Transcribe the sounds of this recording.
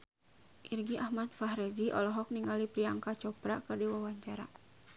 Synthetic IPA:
ʔirɡiʔahmat̪̚faɦɾɛd͡ʒiʔɔ̰lɔɦɔk̚niŋalipɾiaŋkat͡ʃɔpɾa̰kɨrdiwawaɲt͡ʃaɾa̰

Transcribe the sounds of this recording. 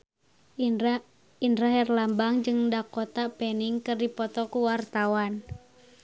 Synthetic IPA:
indɾaɦɛrlambaŋd͡ʒɨŋdakɔt̪apɛniŋkɨrdipɔt̪ɔkuwart̪awan

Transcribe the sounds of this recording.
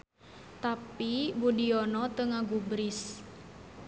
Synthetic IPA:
t̪apibudiɔnɔt̪əŋaɡubɾis

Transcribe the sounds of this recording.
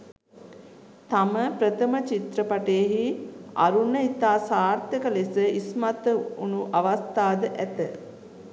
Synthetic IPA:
t̪aməpɾət̪əmət͡ʃit̪ɾəpaʈeɦia̰ɾunəit̪aːsaːɾt̪jəkəlesəismat̪əunuʔaʋast̪aːd̪əʔæt̪ə

